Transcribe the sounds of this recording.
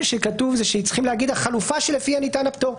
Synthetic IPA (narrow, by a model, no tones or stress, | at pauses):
lʃekatuvzeʃeit͡sχimleaɡid̪aχalufaʃe̞lefianitanapt̪o̞ʁ